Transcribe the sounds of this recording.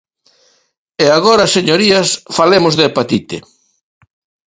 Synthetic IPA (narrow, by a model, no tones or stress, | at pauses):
eaɣɔɾɐaseɲoɾiɐsfalemʊzðɪpat̪it̪ɪ